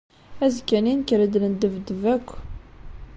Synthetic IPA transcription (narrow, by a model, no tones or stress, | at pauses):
æzkːæninkəɾəd̪lənd̪əvd̪əvækʷː